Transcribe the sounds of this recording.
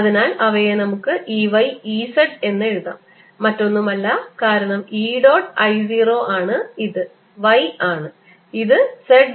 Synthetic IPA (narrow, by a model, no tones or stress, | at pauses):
ɐðinaːlɐʋɐjenɐmukːɨʔiːʋɐjiːseɖe̞nːe̞ɻuða̰ːmː | ɐtːo̞nːumɐlːɐkaːɾɐɳɐmiːɖo̞ːʈːɐjziːro̞ːʔaːɳɨiðɨ | ʋɐjaːɳɨ | iðɨseɖ